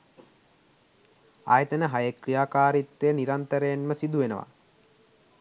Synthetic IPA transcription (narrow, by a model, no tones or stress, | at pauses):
a̰jət̪ənəɦajəkrijaːkaːɾit̪ːejəniɾant̪əɾəjenməsid̪uʋenəʋa̰